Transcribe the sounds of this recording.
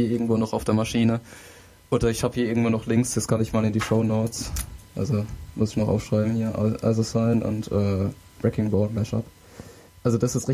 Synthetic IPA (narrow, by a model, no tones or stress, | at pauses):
iɐɪɐɡŋ̩tv̥oːnɔχaʊfd̥eːɐmaʃiːnə | ʔoːdɐɪçhaːbəhiːɐɪɐɡŋ̩tv̥oːnɔχlɪŋksjɛt͡skʰanɪçmaːlɪndiːʃoʊnoʊt͡sʔa̰lzomʊsɪ̥çnɔχʔa̰ʊfʃʁ̥aɪbm̩hiːɐ̰ʔa̰ɪzosaɪnʊ̰ntʔɛː | b̥ʁɛkɪŋbɔːtmɛʃa̰p | ʔalzod̥asɪstʁ̥ɪ